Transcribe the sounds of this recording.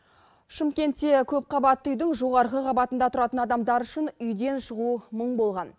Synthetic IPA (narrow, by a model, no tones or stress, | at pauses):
ʃɪmkʲe̞nt̪ːe̞kʲʰɵp̚qʰɑbɑt̪ːəʏjd̪ɪŋʒo̞ʁɑɾʁəqʰɑbɑt̪ənd̪ɑt̪ʰʊɾɑt̪ənɑd̪ɑmd̪ɑɾʏʃɪnʏjd̪e̞nʃəʁuməɴbo̞lˠʁɑn